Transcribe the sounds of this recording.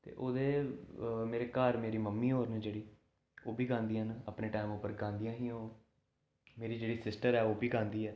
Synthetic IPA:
t̪ḛːʔoːd̪eː | meːɾeːkəɾmeːɾiːməmːiːɦoːɾnd͡ʒeːɽiː | oːbʱiːɡãːnd̪iːɦənəpneːʈaːɪmʊpəɾɡãːnd̪ijãːɦĩːoː | meːɾiːd͡ʒeːɽiːsɪsʈəɾɛːoːbiːɡãːnd̪iːɛː

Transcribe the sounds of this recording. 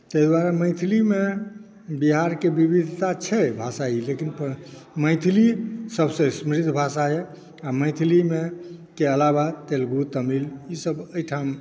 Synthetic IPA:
t̪əjd̪waɾaməjt̪ʰilime | biɦaɾkebibid̪ʱt̪at͡ʃʰɛbʱasailekinpməɪt̪ʰilisəbsə̃smɾid̪ʱbʱasae | amə̃jt̪ʰilimekeəlabat̪elɡut̪əmilisəbəjʈʰam

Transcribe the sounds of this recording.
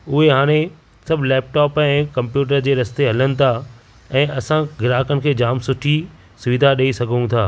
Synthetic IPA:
ʊɦeɦaːɽ̃e | sɐbʱlɛːp̚ʈɔːpɛ̃ːkɐ̃mpjuːʈ̬əɾd͡ʑeːɾɐst̪eɦɐlənɪ̆t̪ʰa | ɛ̃ːʔɐsãɡɪɾaːkənɪ̆kʰeːd͡ʑaːmsʊʈʰi | sʊʋid̪ʱaɗɐisɐɡʱũt̪ʰaː

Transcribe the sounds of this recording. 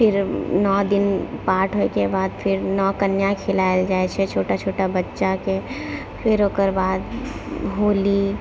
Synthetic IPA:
pʰɪɾnɔːd̪ɪnpaːʈʰɦoekebaːd̪pʰɪɾnɔːkənjãkʰɪlaːld͡ʒaːet͡ʃʰɛt͡ʃʰoːʈat͡ʃʰoːʈabətːʃake | pʰɪɾoːkəɾbaːd̪ɦoːli

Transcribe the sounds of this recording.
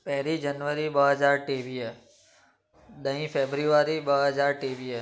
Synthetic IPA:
pɛɦɾid͡ʒənʋəɾibəɦəd͡ʒaːɾʈiːʋie | ɗ̪əĩfeːbɾiʋaɾibəɦəd͡ʒaːɾʈiːʋie

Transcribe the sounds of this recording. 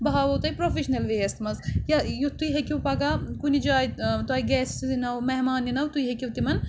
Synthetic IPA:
bɐɦaːʋɐwt̪ɐjpɾoːfiʃnɐlʋeːjɐst̪mɐzjɐjut̪uiɦekiwpɐɡaːkunid͡ʒaːjt̪uaːiɡɛːsinɐwmeɦmaːninɐwt̪ujɦekʲiwt̪imɐn

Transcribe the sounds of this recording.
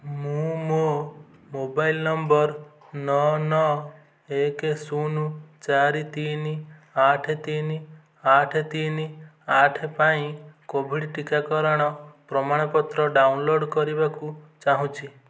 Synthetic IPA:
mũmo | mobailnɔmbɔɾ | nɔnɔ | ekesunut͡ʃaɾit̪iniaʈʰet̪ini | aʈʰet̪ini | aʈʰepaĩkobʱiɽʈikakɔɾɔɽ̃ɔpɾɔmaɽ̃ɔpɔt̪ɾɔɖaunloɖkɔɾibakut͡ʃaɦũt͡ʃʰi

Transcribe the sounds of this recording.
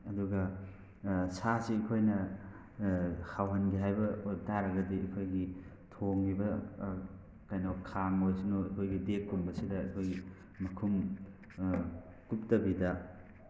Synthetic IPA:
ɐduɡɐ | sasiɐkʰojnɐ | hawɦɐnɡiɦajbɐotaɾɐɡɐdiikʰojɡi | tʰoŋːibɐ | kajnokʰaŋojsinoɐkʰojɡidekːumbɐsidɐɐ̰kʰojɡi | mɐkʰum | kup̚tɐbidɐ

